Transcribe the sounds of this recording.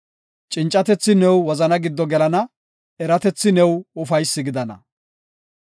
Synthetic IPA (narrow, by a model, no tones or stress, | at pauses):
t͡ʃʼɪnt͡ʃʼɐt̪ɛt͡sːɪnɛwːɔzɐnɐɡɪd̪ːɔɡɛlɐnɐ | ɛɾɐt̪ɛt͡sːɪnɛwʊfɐjsːɪɡɪd̪ɐnɐ̰